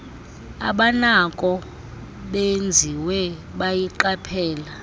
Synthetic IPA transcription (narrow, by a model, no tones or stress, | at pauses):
a̰ɓanakʼɔ | ɓend͡zʱiwɛ | ɓajiǃapʰɛːla